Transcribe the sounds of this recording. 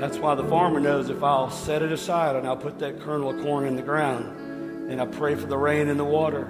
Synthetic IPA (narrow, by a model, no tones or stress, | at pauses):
ðætswaɪðəfɑɹmə˞noʊzɨfaɪlˠsɛɾɨɾɨsaɪɾɨ̃naɪlˠpʰʊt̪̚ðɨt̚kʰɜ̃˞nl̩ˠkʰɔɹnɨ̃nðɨɡɹãʊ̃nd | ɨ̃naɪlˠpʰɹ̥eɪfə˞ðəɹẽɪ̃nɨ̃nðəwɔɾə˞